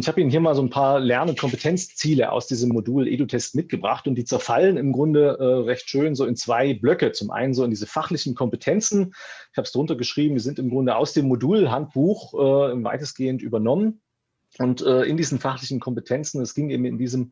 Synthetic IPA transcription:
nɪçhaːbəiːnənɦiːɐmaːlzoːnpʰaːɐlɛɐnənkʰɔmpətʰɛnt͡st͡siːləʔa̰ʊsd̥iːzəmːoduːlʔḛːdutʰɛstmɪt̚ɡ̥əbʁa̰χtʊntd̥iːt͡sɛɐfalənɪmɡʁʊndəʔɛːʁɛçtʃøːnzoːɪnt͡sv̥aɪblœkət͡sʊmʔa̰ɪnənzoːɪndiːzəfaχlɪçn̩kʰɔmpətʰɛnt͡sn̩ɪçhaːbəsd̥aʁʊntɐɡəʃʁ̥iːbm̩diːzɪntɪmɡʁʊndəʔa̰ʊsd̥eːmːoduːlɦant̚b̥uːxʔɛːva̰ɪtəsɡ̥eːəntʔyːbɐnɔmən | ʔʊntʔɛːʔɪndiːzn̩faχlɪçn̩kʰɔmpətʰɛnt͡sn̩ɛsɡ̥ɪŋʔḛːbm̩ɪ̰ndiːzəm

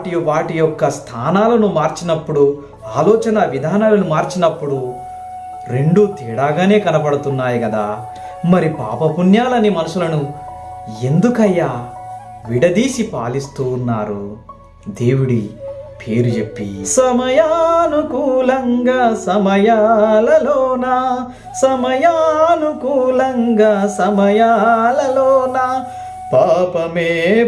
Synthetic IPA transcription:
ʈijʋaːʈijɔkːɐst̪ʰaːnaːlɐnumaːɾt͡ʃinɐpːuɽu | aːlɔːt͡ʃɐnɐʋid̪ʱaːnaːlɐnumaːɾt͡ʃinɐpːuɽu | ɾe̞ɳɖuːt̪iːɽaːɡaːne̞ːkɐnɐpɐɽut̪unːaːjukɐd̪aː | mɐɾipa̰ːpɐpunjaːlɐnːimɐnuʂulɐnu | e̞nd̪ukɐjːa | ʋiɽɐd̪iːsipa̰ːlist̪uːnːaːɾu | d̪e̞ːwuɽḭpʰe̞ːɾud͡ʒe̞pːḭsɐmɐjaːnukuːlɐŋɡaːsɐmɐjaːlɐloːna | sɐmɐjaːnukuːlɐŋɡaːsɐmɐjalɐloːna | paːpɐmeː

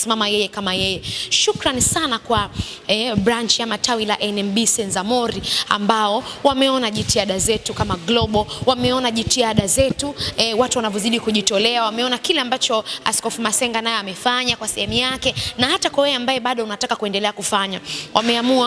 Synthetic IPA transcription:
simamajɛjɛkamajɛjɛʃukɾanisanakwaɛɓɾant͡ʃiamatʰawilaʔɛnɛmbisɛnzamɔɾia̰mbaɔwamɛɔnaʄitiaɗazɛtukamaɡlɔɓɔwamɛɔnaʄitiaɗazɛtuɛwatuwanavjɔziɗikuʄitɔlɛawamɛɔnakilɛambat͡ʃɔa̰skɔfumasɛŋɡanajɔamɛfaɲakwasɛ̰hɛmujakɛnahatakwawɛjɛambajɛɓaɗɔunatakakuɛndɛlɛakufaɲawʔa̰mɛamua

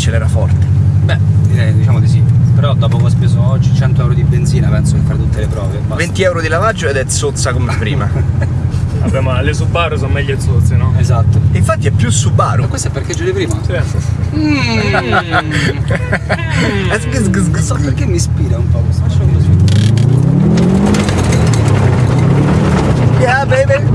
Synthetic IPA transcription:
t͡ʃelɛːɾafɔrt̪ebɛɛd̪it͡ʃaːmod̪isipeɾɔd̪ɔːpokɔspesoɔt͡ʃːit͡ʃɛnt̪oɛwɾod̪ibend̪ziːnapɛnsokefːaɾet̪ut̪ːelepɾɔ̰ːvemavent̪iɛwɾod̪ilavad͡ʒːoed̪ɛt̪sot̪sːakomepːɾḭːma | a̰bjamlesubːaːɾos̬onmɛʎːoet̪sot̪sːenɔezat̪ːoiɱfat̪ːiɛpːjusːubːa̰ːɾokːwest̪ɛpːeɾked͡ʒːuːɾepɾiːmai | ɛsksɡɡsɔpeɾkemːispiːɾaumpɔkost̪at͡ʃːɔk̪iozi | jabeve

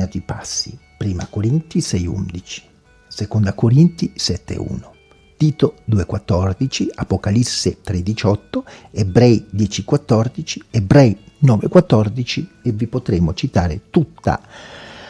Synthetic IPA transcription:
at̪iipasːḭpɾiːma̰koɾint̪isɛjṵnd̪it͡ʃi̥ | sekond̪akoɾint̪isɛt̪ːḛṵːno | t̪iːt̪od̪uːekwat̪ːɔrd̪it͡ʃiapokalisːet̪ɾed̪it͡ʃɔt̪ːoebɾɛjd̪jɛːt͡ʃikwat̪ːɔrd̪it͡ʃiebɾɛjnɔːvekwat̪ːɔrd̪it͡ʃievːipot̪ɾeːmot͡ʃit̪aːɾet̪ut̪ːa̰

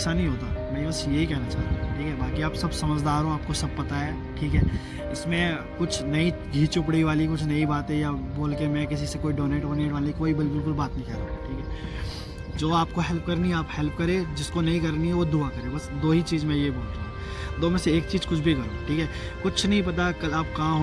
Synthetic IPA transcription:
sanɐɦĩɦoːt̪a̰mɛ̃ːbɐsjeɦikɛɦnat͡ʃa̰ːɦt̪iɦũʈʰiːkɦɛbaːkiaːpsɐbsɐməd͡ʒd̪aːɾɦõaːp̚kosɐb̚pɐt̪aɦɛː | ʈʰiːkɦɛː | ɪsmẽ | kʊt͡ʃʰnɐi | ɡʱiːt͡ʃʊp̬ɽiʋaːlikʊt͡ʃʰnɐibaːt̪ɦɛ̃jaboːlkemɛ̃kɪs̬isekoːiɖoːneːʈɦoːneːʈʋaːlikoːibɪlbɪlkʊlbaːt̪nɐɦĩkɐɾa̰ʈʰiːkɦɛː | d͡ʒoːaːp̚koɦɛlp̚kɐɾniɦɛaːphɛlp̚kɐɾẽd͡ʒɪskonɐɦĩkɐɾniɦɛʋod̪ʊakɐɾẽbɐsd̪oːɦit͡ʃiːzmẽjeiboːlɾaː | d̪oːmẽseeːk̚t͡ʃiːzkʊt͡ʃʰbʱikɐeʈʰiːkɦɛː | kʊt͡ʃʰnɐɦĩpɐt̪akɐlaːp̚kãːɦ

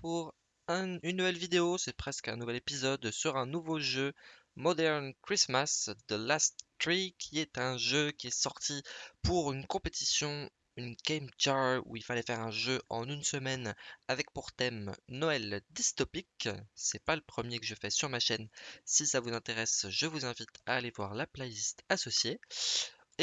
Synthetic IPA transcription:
puʁ | ɛ̃ynːuvɛlvid̪eosɛpχɛskɛ̃nuvɛlepizɔd̪syʁɛ̃nuvoʒø | mɔd̪ɛʁnkχismasd̪əlast̪ːχikʲʰiɛt̪ɛ̃ʒøkʲiɛsɔʁt̪ʰipuʁynkɔ̃pet̪isjɔ̃ | ynkʲɛmt͡ʃaṵilfalɛfɛʁɛ̃ʒøʔɑ̃nynsəmɛnavɛk̚puʁt̪ɛmnɔɛld̪ist̪ɔpiksɛpaləpχəmjekəʒəfɛsyʁmaʃɛnsisavuzɛ̃t̪eʁɛsʒəvuzɛ̃vit̪ʰaːlevwaʁlaplelist̪asɔsje

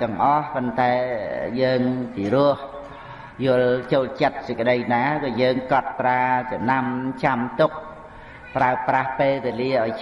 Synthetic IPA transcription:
t̪ɛ̆əŋʔɑhpont̪aɛjəːŋpirʊ̆əh | jʊəlt͡ɕoːlt͡ɕət̪̚səkəɗəjnaːkaːjəːŋkɑt̪̚praːt͡ɕɑmnamt͡ɕamt̪ʊk̚ | praəprahpeːlʋeəliəʔaɔj

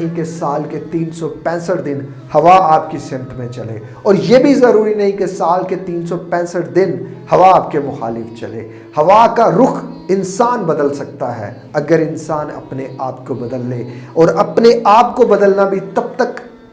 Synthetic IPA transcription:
ɦĩkesaːlket̪iːnsɔpɛ̃ːsəʈd̪ɪn | hɐʋaaːpkisɪnt̪ʰmẽt͡ʃɐlḛː | ɔːɾjeːbʱizɐɾuːɾinɐɦĩkesaːlket̪iːnsɔpɛ̃ːsəʈd̪ɪnhɐʋaaːp̚kemʊxa̰ːlɪft͡ʃɐ̰lḛː | hɐʋakaɾʊxʰɪnsaːnbɐd̪əlsɐk̚t̪aɦɛ̰ | ɐɡəɾɪnsaːnɐ̰pneʔaːpkobɐd̪əlːeːɔːɾɐpneʔaːp̚kobɐd̪əlnabʱit̪ɐbt̪ək

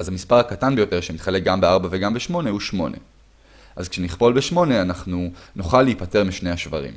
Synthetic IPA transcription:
azhamispaʁhakatanbe̞jo̞t̪e̞ʁʃemit̪χalek̚ɡambeaʁbaveɡambeʃmo̞nehuʃmo̞̰nḛ | ʔazkʃeniχpo̞lbeʃmo̞ne̞anaχnunuχalːeipate̞ʁmiʃne̞jhaʃvaʁḭm

